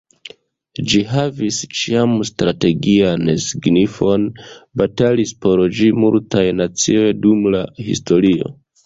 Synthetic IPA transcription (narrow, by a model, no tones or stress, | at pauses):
d͡ʒiɦavist͡ʃiamstɾate̞ɡiansiɡnifo̞nbatalispo̞ɾd͡ʒimultajnat͡sio̞jdumlahḭsto̞ɾio̞̰